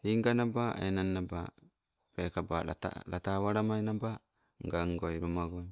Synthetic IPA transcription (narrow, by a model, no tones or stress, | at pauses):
iŋɡanabaenanːaba̰ | pekabaa̰ta̰la̰tawaɾamajnaba | ŋɡaŋɡojɾumaɡoj